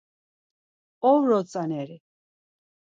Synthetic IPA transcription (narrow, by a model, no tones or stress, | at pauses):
ɔvɾɔt͡sʼanɛɾi